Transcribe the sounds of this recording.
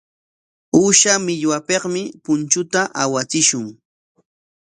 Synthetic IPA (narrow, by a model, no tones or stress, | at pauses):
ʊʃamɪʎwapeqmɪpʊnt͡ʃʊt̪aʔawat͡sɪʃʊŋ